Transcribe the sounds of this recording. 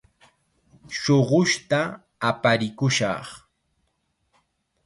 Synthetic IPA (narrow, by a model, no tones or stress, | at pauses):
ʃoɢʊʃt̪a | apaɾɪkʊʃɑ̰χ